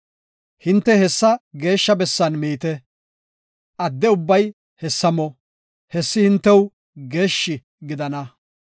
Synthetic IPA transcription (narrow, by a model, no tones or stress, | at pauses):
hɪnt̪ːɛhɛsːɐɡe̞ːʃːɐbɛsːɐnmiːt̪ɛ | ʔɐd̪ːɛʊbːɐj | hɛsːɐmɔ | hɛsːɪhɪnt̪ːɛw | ɡe̞ːʃːɪ | ɡɪd̪ɐnɐ